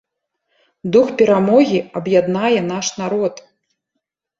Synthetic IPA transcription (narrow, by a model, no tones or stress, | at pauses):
d̪uxpʲɛɾamɔɣʲiɐbjad̪najɛnaʂnaɾɔt̪